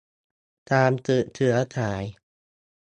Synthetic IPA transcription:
t̪aː˧mt̪ɯ˨˩t̪ʰɯ˩˦ɐt̪ʰaː˩˦j

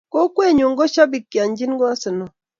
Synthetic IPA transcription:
ko˦kwe˦˨ɲo˨ŋɡɔ˦ʃa˦bi˨kːja˨ɲd͡ʒi˦n˦ɡɔ˦a˦sə˨nɔ˨

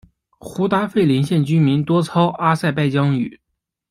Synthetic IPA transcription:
xu˧˥t̪a˥fe˥˩ɪli˧˥nɕjɛ˥˩nt͡ɕy˥mi˧˥nt̪wɔ˥t͡sʰɑ˥ʊʔa˥sa˥˧ɪpa˥˩ɪt͡ɕjɑ˥ŋy̰˨˩˦

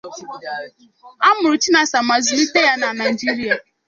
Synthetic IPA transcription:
a˦mʊ˨ɾʊ˨t͡ʃi˦na˨sa˨ma˨zʊ˨li˦te˦ja˦na˨na˨d͡ʒi˦ɾi˦a˨

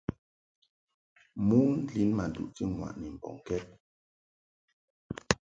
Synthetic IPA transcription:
mu˦ŋn̩˦li˨˦nma˨dṵ˨ʔti˦ŋwa̰˨ʔni˨m̩˨bɔ̰˨ŋ˨kɛ˦t̚

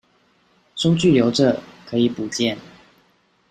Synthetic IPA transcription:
sʊ˥ŋt͡ɕy˥˩ljo˧˥ʊʈ͡ʂɤ˨˩kʰɤ˧˥i˨˩pu˨˩t͡ɕjɛ˥˩˨n

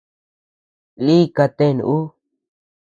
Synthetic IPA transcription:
li˦ka˧t̪e˦˨n̰˧ʔu˦

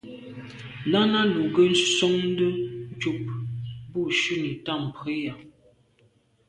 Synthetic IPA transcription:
na˦na˦lu˨ɡə˦n̩˦sɔ˦ŋn˦də˦n˦t͡ʃu˦p̚bu˦˨ʃʉ˦ni˨ta˦˨m˨pe˦ja˨

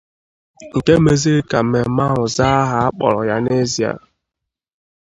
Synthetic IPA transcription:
ŋ̩˨ke˦me˦zi˦ɾi˦ka˨m̩˨me˨˦ma˦ɦʊ˨za˦ɦa˦a˦k͡pɔ̰˨ɾɔ˨ja˦ne˦zi˨a̰˨

